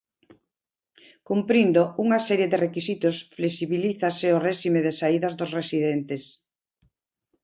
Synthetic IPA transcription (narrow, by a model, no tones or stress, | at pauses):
kumpɾind̪ouŋasɛɾjeðerekisit̪osflesiβiliθaseoreʃimeðesaiðazðosresiðɛnt̪es